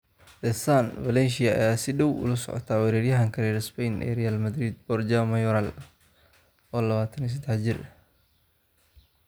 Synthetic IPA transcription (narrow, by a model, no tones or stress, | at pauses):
d̪̥ɛsanvɐlɛnʃɪɐɛjasɪɖɔwʊ̰lɐsɔ̰ʕɔ̰t̪ʰaːwɛɾɛːɾjɐɦɐŋkʰɐɾɛːɾɪspɛjnʔɛ̰ɾɛjaːlmɐd̪ɾid̪̚bɔrd͡ʒamɐjɔɾal | ɔːlɐβaːt̪ʰɐnis̬ɐd̪ɛħt͡ʃɪr